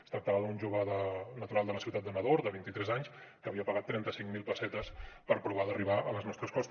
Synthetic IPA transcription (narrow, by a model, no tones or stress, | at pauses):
st̪ɾək̚t̪əlaðunʲʒoβəðənət̪uɾalˠd̪ələsiwt̪at̪̚ənəðoɾd̪əβint̪it̪ɾɛzaɲskəːβiəpəɣat̪ːɾɛnt̪əsiŋmilˠpəsɛt̪əspəɾpɾuβ̞aðəriβaələznɔst̪ɾəskɔst̪